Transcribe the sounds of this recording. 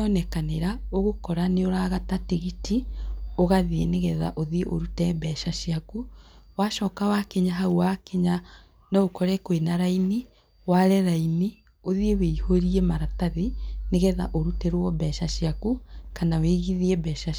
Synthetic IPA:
ɔnɛkaneɾa | oɣokɔɾaneoɾaɣatateɣitioɣaðieneɣɛða̰ʔoðiʔo̰ɾutɛβɛʃaʃiakuwaʃɔːkawakeɲaɦauwakeɲa | naokɔɾɛkoenaɾaini | waɾɛɾaini | oðieweihoɾiemaɾataðineɣɛða̰ʔoɾutɛɾwɔβɛʃaʃiakukanaweɣiðiebɛʃa

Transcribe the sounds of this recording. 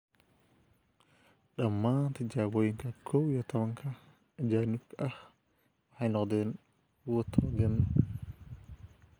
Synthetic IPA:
ɗɐmːaːnt̪ʰɛd͡ʒaːboːjɪŋkʰɐkʰɔwjɔt̪ʰɐβɐŋkʰɐ | d͡ʒaːnɪkʰʔɐh | wħɑjnɔqd̪ɛːn | wɔt̪ʰːɐɐɡɛnː

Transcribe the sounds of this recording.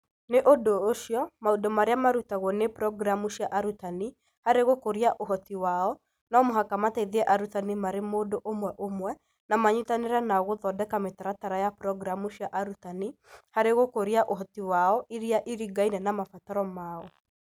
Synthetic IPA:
neʔodoːʃjɔmaudɔmaɾeamaɾutaɣwɔnepɾɔɡɾamuʃiaʔaɾutani | haɾeɣokoɾiaʔoɦɔtiwaɔ | nɔmoɦakamatɛiðɛʔaɾutanimaɾemoːdoʔomwɛʔomwɛ | namaɲutaneɾanaɣoðɔdɛkametaɾataɾajapɾɔɡɾamuʃiaʔaɾutanihaɾeɣokoɾiaʔoɦɔtiwaɔʔiɾiaʔiɾiɡainɛnamafataɾɔmaɔ

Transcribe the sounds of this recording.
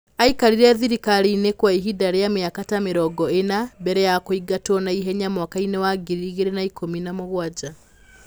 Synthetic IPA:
aikaɾiɾɛðiɾikaɾiːnekwaiɦidaɾeameakatameɾɔːɡɔenabɛɾɛjakoiɡatɔnaiɦɛɲamwakainewaɡiɾiiɣeɾenaikʰominamoɣwad͡ʒa

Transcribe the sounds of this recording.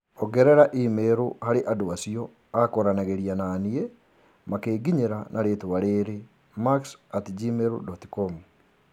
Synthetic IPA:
ɔɡɛɾɛɾaʔimeɾohaɾeʔadowasiɔ | akɔɾanaɣeɾianaːnie | makeːɡiɲeɾanʔaɾeːtowaɾeːɾe | maksatd͡ʒimeɾṵdɔti̥kɔm

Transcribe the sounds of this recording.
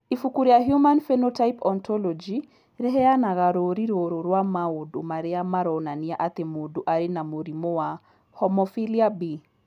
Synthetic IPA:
ifukuɾiaɦjumanfenotajpɔnt̪ɔlɔd͡ʒi | ɾɛɦɛanaɣaɾoɾiɾoɾoɾwamaodomaɾeamaɾɔnaniaʔat̪emodoʔaɾenamoɾimowa | hɔmɔfiliabi

